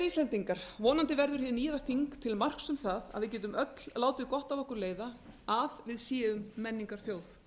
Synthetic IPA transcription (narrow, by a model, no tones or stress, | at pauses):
ist̪lɛnt̪iŋkaɾ̥vɔːnant̪ɪvɛɾðʏɾ̥hɪːðniːðaθiŋkt̪ʰɪlmar̥ksʏmθaða̰ðvɪcɛːt̪ʏmœt̪l̥laːwt̪ɪðkɔht̪avɔhkʏɾleːjðaaðvɪðsjɛːʏmːɛnːiŋkaɾ̥θjoːwθ